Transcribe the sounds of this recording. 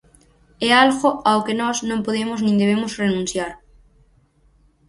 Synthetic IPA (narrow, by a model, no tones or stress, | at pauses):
ɛalɣʊawkenɔsnõmpoðemʊsnĩŋd̪eβ̞emʊsrenũn̟θjaɾ